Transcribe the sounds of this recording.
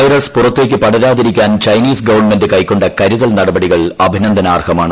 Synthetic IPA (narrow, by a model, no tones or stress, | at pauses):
ɐjrɐspurɐt̪ːe̞ːk̬ʲːɨpɐɽɐɾaːðiɾikʲːaːnt͡ɕɐjniːsɡɐʋɐrnme̞ndɨkɐjkːo̞ɳɖɐkɐɾuðɐlnɐɽɐbɐɽiɣɐɭɐbʱinɐnd̪ʱɐnaːrɡɐmaːɳɨ